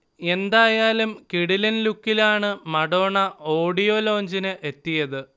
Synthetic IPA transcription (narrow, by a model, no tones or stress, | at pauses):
e̞nd̪aːjaːlumkiɽilɐnlukːilaːɳɨmɐɽo̞ːɳɐo̞ːɽijo̞lo̞ːɲd͡ʑinɨʔe̞t̪ːijɐðɨ